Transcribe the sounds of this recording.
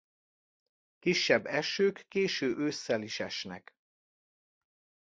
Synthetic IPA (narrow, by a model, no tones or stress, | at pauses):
kiʃːɛbːɛʃøːkːeːʃøːʔøːsːɛliʃɛʃnɛ̰k